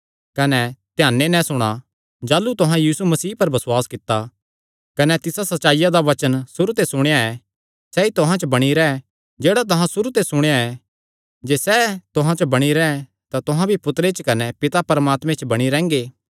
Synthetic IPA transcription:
kɐnɛt̪jãːnːenɛ̃sʊɽ̃a | d͡ʒaːlut̪ʊɦãjiːsumɐsiːpɐɾbɐswaːskɪt̪ːa | kɐnɛt̪ɪsasɐtːʃaːijad̪aʋɐt͡ʃənsʊɾut̪esʊɽ̃ejaɛ | sɛit̪ʊɦãt͡ʃbɐɽ̃iɾɛɛ | d͡ʒeːɽat̪̬ɐɦãsʊɾut̪esʊɽ̃ejaɛ | d͡ʒeːsɛt̪ʊɦãt͡ʃəbɐɽ̃iɾɛɛ | t̪at̪ʊɦãbʱipʊt̪ɾet͡ʃkɐnɛpɪt̪apɐɾmaːt̪mẽt͡ʃbɐɽ̃iɾɛ̃ːŋɡeː

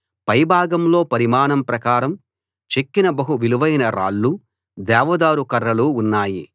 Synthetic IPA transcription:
pɐjbʱaːɡɐmlo̞ːpɐɾimaːnɐmpɾɐkaːɾɐm | t͡ʃekːinɐbɐɦuʋiluʋɐjnɐɾa̰ːɭːu | d̪ɛːʋɐd̪aːɾukɐɾːɐluːnːaːji

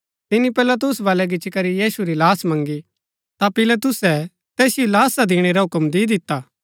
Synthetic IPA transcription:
t̪ɪnipɛlat̪̬ʊsʋaːlɛɡɪt͡ʃikɐɾijiːsuɾilaːsmɐ̃ŋɡi | t̪apɪlat̪̬ʊsɛ | t̪ɛːsjolaːsad̪ɪːɽ̃eɾaɦʊkəmd̪iːd̪ɪt̪ːaː

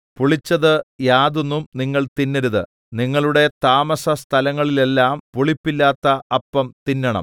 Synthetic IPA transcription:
puɭit͡ɕːɐðɨjaːðonːumniŋːɐɭt̪inːɐɾuðɨ̰ | niŋːɐɭuɽe̞t̪aːmɐsɐst̪ʰɐlɐŋːɐɭile̞lːaːmpuɭipːilːaːt̪ːɐɐpːɐmt̪inːɐɳɐ̰m

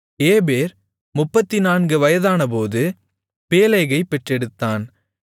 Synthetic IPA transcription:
eːbeːɾ | mʊpːɐt̪ːɪnaːnɡɯʋɐjɐðaːnɐpoːðɯ | peːlɐɪɣɐɪpːɛʈrɛɽɯt̪ːaːn

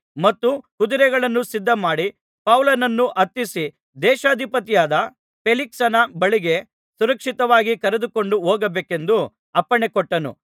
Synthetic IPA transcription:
mɐt̪ːukud̪uɾɛɡɐɭɐnːusid̪ːɐmaːɽi | pɐwlɐnɐnːuʔɐt̪ːisi | d̪ɛːʃaːd̪ʱipɐt̪ijaːd̪ɐ | pʰeliksɐnɐbɐɭiɡe̞ | suɾɐkʂit̪ɐʋaːɡikɐɾed̪uko̞ɳɖuoːɡɐbeːke̞nd̪u | ɐpːɐɳekoʈːɐnṵ

